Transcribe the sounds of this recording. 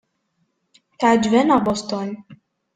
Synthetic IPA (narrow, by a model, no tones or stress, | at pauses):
t̪ad͡ʒvɛnabɔst̪ɔnʲ